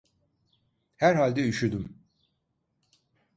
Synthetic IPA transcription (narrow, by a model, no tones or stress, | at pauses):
hæɾhalʲd̪ɛyʃyd̪ym